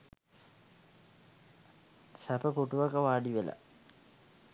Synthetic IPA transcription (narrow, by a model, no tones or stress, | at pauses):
sɐpɐpuʈuʋakɐʋaːɖiʋela̰